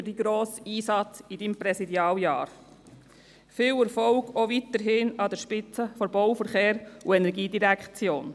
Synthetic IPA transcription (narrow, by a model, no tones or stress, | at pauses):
d̥iɡɾoːsiːsɑt͡sidimpɾɛsidjɑːljɑ̰ːɾ | fɪːlɛɾfɔlɡovitəɾɦɪnɑdɛɾʃpɪt͡səfɔɾbɔʊfəɾχeːɾuɛnɛɾɡiːdiɾækχt͡sjoːn